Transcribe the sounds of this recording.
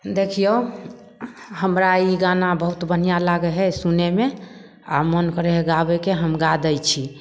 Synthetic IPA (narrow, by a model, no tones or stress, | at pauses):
d̪ekʰijo | həmɾaiɡanabəɦut̪bən̤ijalaɡɛɦɛsuneme | a̰mənkəɾɛɦɛɡabɛkeɦəmɡad̪əjt͡ʃʰi